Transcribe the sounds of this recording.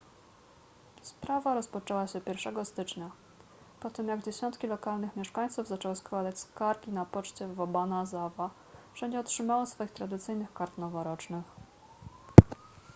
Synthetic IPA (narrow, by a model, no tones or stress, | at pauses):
spɾavaɾɔspɔt͡ʂɛwaɕɛpʲjɛɾfʂɛɡɔst̪ɘt͡ʂɲa | pɔt̪ɘmjaɡd͡ʑeɛɕɔnt̪kʲilɔkalnɘxmʲjɛʂkaɲ̃t̪suvzat͡ʂɛwɘskwad̪at͡ɕskaɾɡʲinapɔt͡ʂt͡ɕɛvɔbanazava | fʂɛɲd͡ʑɛɔtʂɘmawɔsfɔjixt̪ɾad̪ɘt̪sɘjnɘxkaɾt̪nɔvɔɾɔt͡ʂnɘx